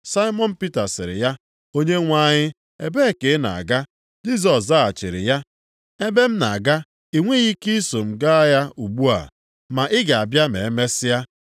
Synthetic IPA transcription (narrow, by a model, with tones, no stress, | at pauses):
sa˦ɪ˦mɔ˦n̩˦pi˦ta˨sɪ̰˨ɾɪ̰˨ja˦ | o˦ɲe˦ŋʷa˦˨ɲɪ˦ | e˦be˦˨ke˨˦na̰˨a̰˨ɡa˦ | d͡ʒi˦z̬ɔ˨s̬da˦˨t͡ʃɪ̰˨ɾɪ̰˨ja˦ | e˦be˦m̩˦na̰˨ɡa˦ | i˨ŋʷe˦ɣi˦ki˦so˨m̩˨ɡa˦ja˦u˨ɡ͡bu˦a̰˨ | ma˨ʔɪ˦ɡa˨a˨bja˦mḛ˨e˦me˦sɪ˦ja˦